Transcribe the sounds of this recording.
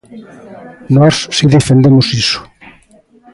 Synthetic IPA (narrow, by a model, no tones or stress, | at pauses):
nɔsːiðefend̪emʊsisʊ̥